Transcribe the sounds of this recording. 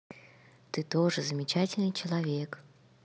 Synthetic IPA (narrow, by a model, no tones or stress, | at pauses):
t̪ɨt̪oʐɨzəmʲɪt͡ɕatʲɪlʲnɨt͡ɕɪlˠɐvʲek